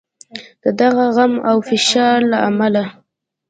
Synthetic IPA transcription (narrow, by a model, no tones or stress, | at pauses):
d̪̥əd̪aɣaɣamawfɪʃɑɾlaamala